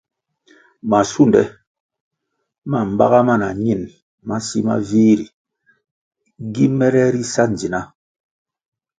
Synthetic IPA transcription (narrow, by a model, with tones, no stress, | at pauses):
ma˨su˦n˨dɛ̰˦ | ma˨m̩˦ba̰˦ɣa˦ma˦˨na˨ɲi˦˨n | ma˦si˦ma̰˦viː˦ɾi˨ | ɡi˦mɛ˦ɾɛ˦ɾi˦sa˦n̩˨d͡ʒi˨na˦